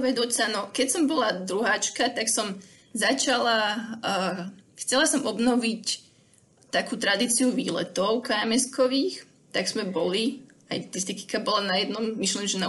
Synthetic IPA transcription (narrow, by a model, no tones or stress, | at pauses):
ʋɛd̪ʊɔcsanɔkɛcsɔmbɔlad̪ɾuɦaːt͡ʃkat̪aksɔm | zat͡ʃala | xt͡sɛlasɔmɔbnɔʋic | t̪akuːt̪ɾad̪iːt͡siuʋḭːlɛ̰t̪ɔʊkaamɛskɔʋiːx | t̪aɡz̥mɛbɔli | a̰jt̪ist̪iki̥kabɔlanajɛd̪nɔmmiʃlɛnʒɛna